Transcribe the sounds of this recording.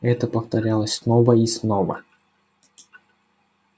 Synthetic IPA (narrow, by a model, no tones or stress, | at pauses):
ɛt̪əpəft̪ɐɾʲalˠəsʲsnovəisnovə̰